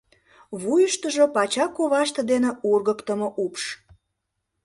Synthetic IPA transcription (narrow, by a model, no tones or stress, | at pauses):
βujəʃt̪əʒopɑt͡ɕɑkːoβɑʃt̪ə̆d̪eneurɣə̆kt̪əmoʔupʃ